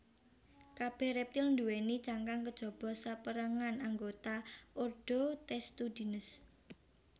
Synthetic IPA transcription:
kab̥ɛ̤hɾɛp̚t̪ilnd̪uwenit͡ʃaŋkaŋkəd̥ʒ̥ɔ̤b̥ɔ̤sapəɾəŋanaŋɡot̪aʔorɖ̥ot̪ɛst̪ud̪̥i̤nəs

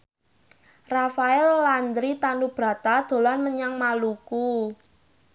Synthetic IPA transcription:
rafaɛlːand̪ɾit̪anub̥ɾa̤t̪ad̪̥o̤lanməɲaŋmaluku

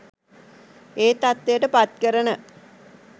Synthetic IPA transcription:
eːt̪at̪ːejəʈəpat̪̚kəɾənə

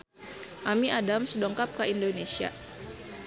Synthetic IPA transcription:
ʔamiʔadamsədɔŋkap̚kaʔindonesia̰

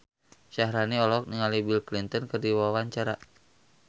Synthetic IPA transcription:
ʃaɦɾaniɔlɔk̚niŋalibilklint̪ɔnkɨrdiwawaɲt͡ʃaɾa

